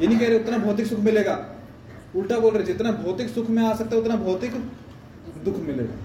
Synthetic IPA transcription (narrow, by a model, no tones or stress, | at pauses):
jenĩĩkɛɦɾeʊt̪nabʱɔːt̪̬ɪksʊkʰmɪleːɡaː | ʊlʈaboːlɾeed͡ʒɪt̪nabʱɔːt̪ɪksʊkʰmẽaːsɐk̚t̪aɦɛʊt̪nabʱɔːt̪ɪk | d̪ʊkʰmɪlḛːɡa̰ː